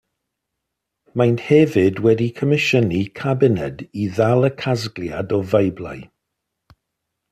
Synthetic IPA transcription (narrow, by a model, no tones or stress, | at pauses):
majnhɛvɪdwɛdikʰəmɪʃənikʰabɪnɛdiðalˠəkʰazɡlja̰dɔvajblˠa̰j